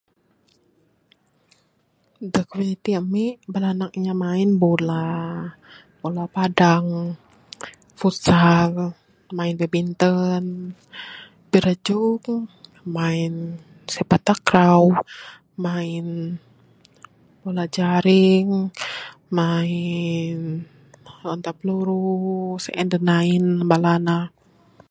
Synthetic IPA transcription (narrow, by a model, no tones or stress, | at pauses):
dəkwiit̪iəmiʔbəlanak̚iɲamainbola | bolapadaŋ | fut̪sal | mainbebint̪ən | piɾəd͡ʒuk̚ | main | sɛpat̪akɾaw | main | polad͡ʒaɾiŋ | main | ɔnt̪apluɾusɛʔɛndənainbalana